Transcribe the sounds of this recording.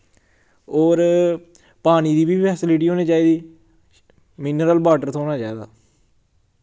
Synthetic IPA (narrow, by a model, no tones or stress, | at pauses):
oːɾ | paːñiːd̪iːbiːpʰɛːsɪlɪʈiːɦoːneːt͡ʃaːiːd̪iː | mɪnɾəlbaːʈəɾt̪ʰõoːnaːt͡ʃaːeːd̪a̰ː